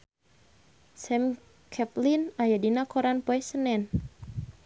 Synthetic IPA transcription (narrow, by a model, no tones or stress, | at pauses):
sɛm | kʰɛplinajadinakɔɾanpoɛsənɛn